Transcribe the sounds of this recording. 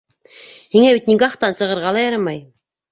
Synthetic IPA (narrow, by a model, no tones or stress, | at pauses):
hiŋæβit̪niɡɑχt̪ɑnsɤ̆ʁɤ̆ɾʁɑlˠɑjɑɾɑmɑj